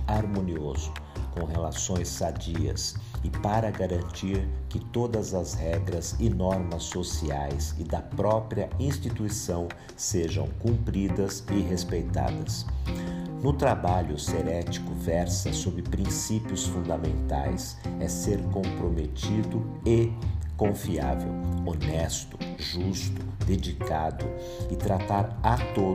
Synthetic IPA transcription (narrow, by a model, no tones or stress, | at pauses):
aɾmõniozʊ | kõw̃ɦelasõj̃sːad͡ʒiɐ̰sɪpaɾɐɡaɾɐ̃nt͡ʃiɾkɪt̪od̪ɐzɐzhɛɡɾɐzɪnɔɾmɐsːosiajsɪd̪ɐpɾɔpɾiɐĩst͡ʃit̪uisɐ̃w̃ | seʒɐ̰̃w̃kũmpɾid̪ɐzɪɦespejt̪a̰d̪ɐs | nʊt̪ɾabaʎʊseɾɛt͡ʃi̥kʊvɛɾsɐsobɾɪpɾĩsipiʊsfũnd̪ɐmẽnt̪a̰js | ɛseɾkõpɾomet͡ʃid̪ʊ | ekõfia̰vḛwonɛst̪ʊ̥ʒust̪ʊ̥d̪ed͡ʒikad̪ʊ | ɪt̪ɾat̪aɾat̪o